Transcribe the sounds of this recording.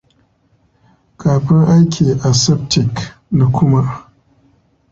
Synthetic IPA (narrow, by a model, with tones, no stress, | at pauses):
kʰaː˨ɸɪ˦ŋʔa˦jkʰʲiː˨ʔa˨sɛ˦p̚tʰɪ˨kna˨kʷʊ˦ma˦ʔ